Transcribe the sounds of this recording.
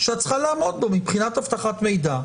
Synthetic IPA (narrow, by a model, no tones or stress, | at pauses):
ʃat͡sχalaːmo̞d̪̚bo̞mipχinat̪haft̪aχat̪me̞jd̪a